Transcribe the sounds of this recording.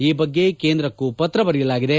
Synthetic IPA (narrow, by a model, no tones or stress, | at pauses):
iːbɐɡːe̞keːnd̪ɾɐkːupɐt̪ɾɐbɐɾijɐlaːɡid̪e̞